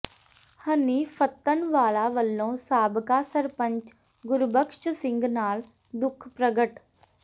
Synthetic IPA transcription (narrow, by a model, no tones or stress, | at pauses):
həniːfʰət̪ːənʋaːlaːʋəlːõːsaːbkaːsəɾpə̃ɲt͡ʃ | ɡʊɾbəkʃsɪ̃ŋɡnaːl | d̪ʊkʰpɾəɡəʈ